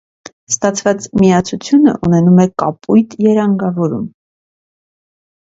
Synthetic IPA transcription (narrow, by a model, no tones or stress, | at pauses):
st̪ɑt͡sʰvɑt͡smijɑt͡sʰut͡sʰjunə̰ʔunɛnumɛkɑpujt̪jɛɾɑŋɡɑvɔɾṵm